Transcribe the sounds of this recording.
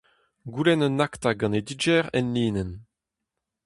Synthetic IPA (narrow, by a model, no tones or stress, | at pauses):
ɡulɛnɔnakt̪aɡɑ̃ned̪id͡ʒɛʁɛ̰nliːnɛn